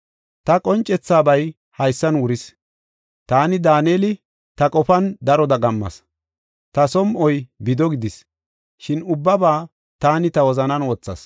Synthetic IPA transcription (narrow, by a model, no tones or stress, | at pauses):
t̪ɐkʼɔnt͡ʃʼɛt͡sːaːbɐj | hɐjsːɐnwʊɾɪs | t̪aːnɪd̪aːneːlɪ | t̪ɐkʼɔfɐnd̪ɐɾɔd̪ɐɡɐmːɐ̰s | t̪ɐsɔmʔɔjbɪd̪ɔɡɪd̪ɪs | ʃɪnʊbːɐbaː | t̪aːnɪt̪ɐwɔzɐnɐnwɔt͡sːɐ̰s